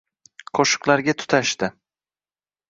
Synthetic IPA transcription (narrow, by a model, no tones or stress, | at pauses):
qʰoʃɨ̥qlˠaɾɡʲat̪ʰʊ̥t̪ʰaʃt̪ɪ